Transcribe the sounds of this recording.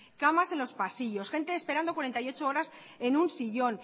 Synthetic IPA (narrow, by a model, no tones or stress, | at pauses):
kamase̞nlo̞spasiʝo̞sxẽ̞nt̪e̞ːspeɾand̪o̞kwaɾent̪ajo̞t͡ʃooɾas | e̞nũnsiʝo̞n